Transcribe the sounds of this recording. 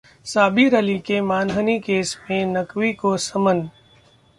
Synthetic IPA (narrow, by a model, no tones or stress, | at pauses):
saːbʱiɾəlikemaːnɦənikeːsmẽnəkʋikosɐmən